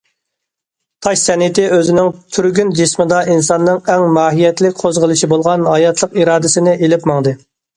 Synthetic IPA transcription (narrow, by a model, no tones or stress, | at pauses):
t̪ʰɑʃsɛnɪt̪ɪøzɪnɪŋt̪ʰyɾɡʲynd͡ʒɪsmɨd̪ɑinsɑnːɨŋɛŋmɑːɦijɛt̪lɪk̚ʲqʰozʁəlˠɨʃibolˠʁɑnhɑjɑt̪ʰlˠəqiɾɑːd̪ɪsɪnɪʔelɪpmɑŋd̪ɨ